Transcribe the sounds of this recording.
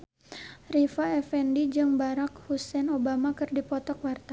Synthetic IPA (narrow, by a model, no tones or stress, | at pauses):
rifaɛfɛndid͡ʒɨŋbaɾakhusɛnobamakɨrdipɔt̪ɔkwart̪a